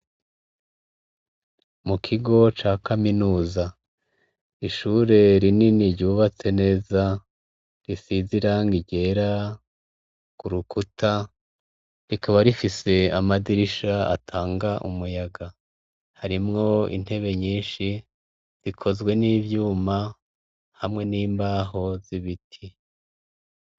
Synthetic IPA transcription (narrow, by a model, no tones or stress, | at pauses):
mukʰiɡo̞t͡ʃaːkaminuːza | iʃuːɾe̞ɾininiɾɟuːβat͡se̞ne̞ːza | ɾisiziɾaŋɡiɟe̞ːɾa | kuɾukutʰa | ɾikaβaɾifise̞amadiɾiʃaa̰tʰaːŋɡaʔumujaɡa | haɾimŋo̞ḭn̥he̞βe̞ɲiːnʃi | zikʰo̞zɡwe̞niːβjuːma | hamŋe̞niːmbaːɦo̞z̥iβitʰi